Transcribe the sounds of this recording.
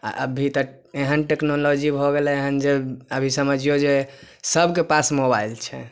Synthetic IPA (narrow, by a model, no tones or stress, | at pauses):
a̰ʔə̰bʱit̪ɔ | eɦənʈeknolod͡ʒibʱɔɡelɛeɦənd͡ʒeəbʱisəməd͡ʒijod͡ʒe | səbʱkepasmobailt͡ʃʰɛ̰